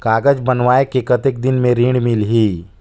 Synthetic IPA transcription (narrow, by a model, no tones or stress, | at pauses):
kaːɡəd͡ʒbɐnʋaːekekət̪ek̚d̪ɪnmẽɾiːɳɽɖmɪlɦiː